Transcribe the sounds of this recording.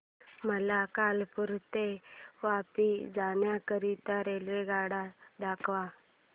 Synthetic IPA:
məlakalpuɾt̪eʋapid͡zanjakəɾit̪əɾelɾeɡaɽad̪akʰʋa

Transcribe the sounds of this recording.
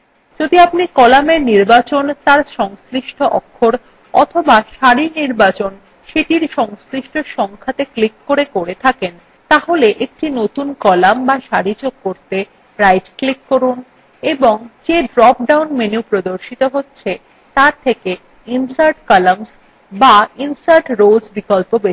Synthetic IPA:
d͡ʑod̪iapnikɔlameɾniɾbat͡ɕont̪aɾʃɔŋsɾiʃʈʰoʔɔ̰kʰːoɾ | ɔt̪ʰobaʃaɾiniɾbat͡ɕon | ʃeʈiɾʃɔŋsliʃʈʰoɾʃɔŋkʰat̪eklikːoɾekoɾet̪ʰaken | t̪aɦoleʔek̚ʈinot̪unkɔlambaʃaɾid͡ʑoɡ̚koɾt̪e | ɾajʈklikːoɾun | eboŋd͡ʑeɖɾɔp̚ɖawnmenuwpɾod̪oɾʃit̪oɦotːɕʰe | t̪aɾt̪ʰeke | insaɾʈkɔlams | bainsaɾʈɾod͡ʑbikɔlpobe

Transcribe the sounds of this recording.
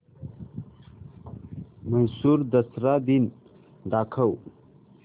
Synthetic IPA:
mənsuɾd̪əsɾad̪in | d̪aːkʰəw

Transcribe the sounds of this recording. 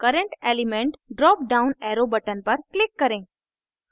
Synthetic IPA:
kəɾəɳʈelimẽɳʈɖɾɔp̚ɖaunɛɾobəʈənpəɾklɪkːəɾẽ | s

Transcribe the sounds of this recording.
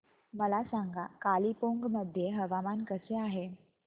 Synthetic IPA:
məlasaŋɡakalipoŋɡməd̪ʱːjeɦəʋamankəseaɦe

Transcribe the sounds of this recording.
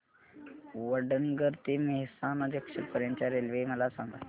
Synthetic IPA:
ʋəɖənɡəɾt̪iːmeɦsanəd̪jəkʂəpəɾjaɲt͡ɕjaɾelʋeməlasãŋɡa̰

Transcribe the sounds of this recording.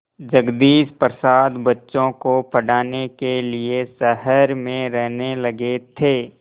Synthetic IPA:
d͡ʒɐɡd̪iːspɾəsaːd̪bɐtːʃõkopʰəɽaːnekeliesəɦəɾmẽɾɛɦnelɐɡet̪ʰeː

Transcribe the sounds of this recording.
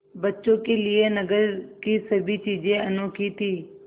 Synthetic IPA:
bətːʃõːkelɪenəɡəɾkiːsəbʱit͡ʃiːd͡ʒẽənoːkit̪ʰiː

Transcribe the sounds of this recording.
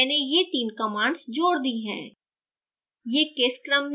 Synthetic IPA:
nejet̪iːnkɐmãːɳɖsd͡ʒoːɽd̪iɦɛ̰̃ː | jeːkeːskɾəmː

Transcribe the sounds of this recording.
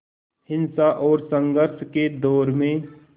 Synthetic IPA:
hɪ̃nsaʔɔːɾsə̃ŋɡəɾʃked̪ɔːɾmẽ

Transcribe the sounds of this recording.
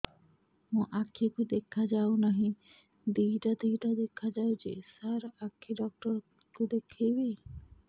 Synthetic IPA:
mũʔakʰːikud̪ekʰad͡ʒawnaɦĩ | d̪iʈad̪ijʈad̪ekʰad͡ʒawd͡ʒḛsaɾakʰːiɖɔk̚ʈɔɾ | kud̪ekʰejbe

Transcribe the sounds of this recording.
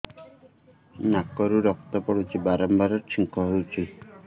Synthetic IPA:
nakɔɾuɾɔk̚t̪ɔpɔɽut͡ʃʰibaɾɔmbaɾɔɾt͡ʃʰiŋkʰɔɦewt͡ʃʰi

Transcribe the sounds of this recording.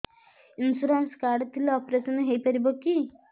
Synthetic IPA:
insuɾanskaɾɖt̪ʰileɔpɾesɔnɦejpəɾibɔki

